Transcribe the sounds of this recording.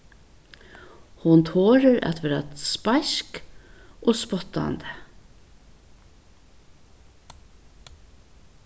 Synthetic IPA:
hʊnt̪ʰoːɹəɾæ̰t̪ʋeːɾaspajʃkʔoːspɔt̪a̰nd̪ə

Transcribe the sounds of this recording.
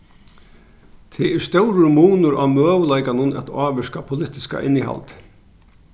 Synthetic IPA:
t̪ʰɪɛɾst̪ɛwɾɪɾmuːnʊɾamœːʋlajkanʊnɛ̰t̪aːʋɪskapʰʊlɪt̪ɪska̰ʔɪ̰nːiɦa̰lt̪

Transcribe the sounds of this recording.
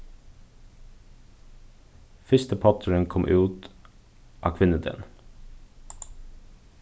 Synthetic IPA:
fʏst̪əpʰɑt̪ʰəɹənkʰɔmʔʉːt̪ | ʔɑ̰ːkʰʋɪnəd̪ɛ̰n

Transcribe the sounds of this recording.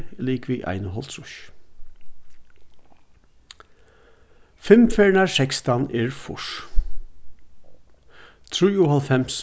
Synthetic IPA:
liːkʋiːʔɑ̰ɪnəɦɔlt̪ʰɹʊç | fɪmfeːɹɳɑsɛkst̪ɑneːɹfʊ̰ʂ | t̪ʰɹʉːʊhɑlfɛms

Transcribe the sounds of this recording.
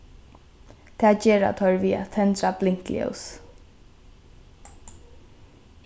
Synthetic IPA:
t̪ʰæːd͡ʒeːɾa̰t̪ʰɔɹviːa̰t̪ʰɛnt̪ɾablɪŋ̥klḭɛ̰s

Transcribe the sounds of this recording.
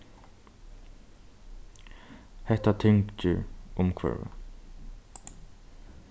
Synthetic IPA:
hɛht̪at̪ʰɪŋkt͡ʃɪɹʊmkʰvɛ̰ɹa̰

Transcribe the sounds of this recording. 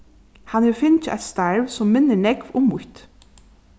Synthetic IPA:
hanɛɾfɪnt͡ʃɪʔa̰jt̪st̪aɹʋsɔmːɪnːəɳɛkʋʊmːʊht̪

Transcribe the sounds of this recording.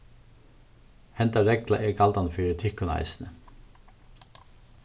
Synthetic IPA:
hɛnt̪ɑɾɛɡlɑ̰ʔeːɡɑld̪ɑnfyːɾət̪ʰɪkʊnɑ̰ɪsn̩ə

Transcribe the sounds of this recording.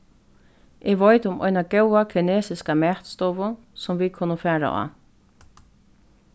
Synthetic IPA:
ʔɪɡʋɔjd̪əʊmʔɔ̰jnaɡɛwakʰɪneːsɪskamɛːt̪st̪ɔʋʊ | sɔmʋikʰʊnːəfæːɹa̰ʔɑ̰

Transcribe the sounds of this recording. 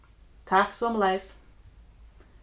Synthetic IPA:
t̪ʰaksɔmlɛs

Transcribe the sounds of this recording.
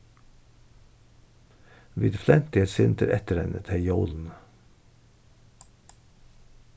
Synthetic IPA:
ʋɪd̪flɛnt̪ɪəsɪnt̪ʰəɾʔɛt̪əɾɛ̰nət̪ʰejoːln̩

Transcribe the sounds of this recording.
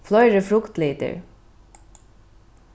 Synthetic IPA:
flœʏɾəfɾʊkt̪liːt̪ə̰ɹ

